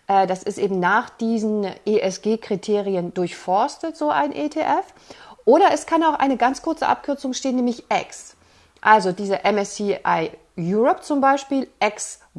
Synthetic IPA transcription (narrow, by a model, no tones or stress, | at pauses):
ʔɛːdasɪstʔeːbm̩naːχd̥iːzn̩ʔeːʔɛsɡ̥eːkʁ̥itʰeːʁiəndʊɐçfɔɐstətz̥oːʔa̰ɪnʔeːtʰeːʔɛf | ʔoːɾɐɛskʰanaʊxʔa̰ɪnəɡant͡skʰʊɐt͡səʔa̰p̚kʰʏɐt͡sʊŋʃteːənːɛːmɪçʔɛks | ʔalzodiːzəʔɛmɛsiʔaɪ | juːʁɔp̚t͡sʊmbaɪʃpiːlʔɛks